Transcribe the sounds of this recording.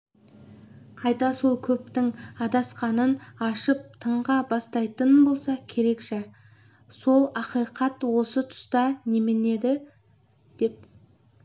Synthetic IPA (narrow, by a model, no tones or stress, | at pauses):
qʰɑjt̪ɑso̞lˠkʲʰɵp̚t̪ɪŋɑd̪ɑsqɑnənɑʃəp̚t̪ʰəɴʁɑbɑst̪ɑjt̪ənbo̞lˠsɑkʲʰe̞ɾe̞kʒæ | so̞lˠɑqijqɑt̪wo̞sət̪ʰʊ̥st̪ɑnemɪne̞d̪ɪ | d̪̥e̞p̚